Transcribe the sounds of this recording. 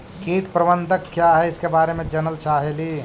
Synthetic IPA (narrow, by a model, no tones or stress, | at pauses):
kiːʈpɾəbənd̪əkːjaɦɛɪskebaːɾemẽd͡ʒənəlt͡ʃaːɦeli